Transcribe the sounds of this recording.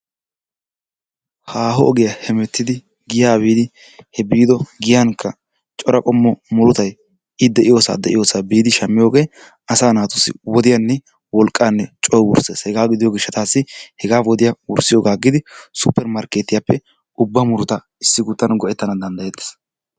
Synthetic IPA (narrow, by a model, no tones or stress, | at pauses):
haːɦɔɔɡɪjɐhɛmɛt̪ːɪd̪ɪ | ɡɪjaːbiːd̪ɪ | hɛbiːd̪ɔɡɪjankʰːɐ | t͡ʃʼɔɾɐkʼɔmːɔmʊɾʊt̪ɐj | ɪd̪ɛʔɪjo̞ːsa̰ːd̪ɛʔɪ̰jo̞ːsaːbiːd̪ɪʃɐmːɪjoːɡeː | ɐsaːnaːt̪ʊsːɪ̰wɔd̪ɪjanːɛ | wɔlkʼːaːnːɛt͡ʃʼɔjwʊ̰ɾseːshɛɡaːɡɪd̪ɪjoːɡɪʃːɐt̪aːsːɪhɛɡaːwɔd̪ɪjɐwʊɾsɪjoːɡaːɡɪd̪ɪsʊpːɛɾmɐɾkeːt̪ːɪjapːɛ | ʊbːɐmʊɾʊt̪ɐ | ɪsːɪɡʊt̪ːɐnɡɔʔɛt̪ːɐnɐd̪ɐnd̪ɐjet̪ːɛ̥s